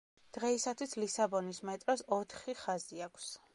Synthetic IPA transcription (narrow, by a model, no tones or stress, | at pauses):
d̪̥ʁɛisat̪ʰwisʰlisabɔnismɛt̪ʼɾɔsɔt̪ʰχiχaziakʷʰs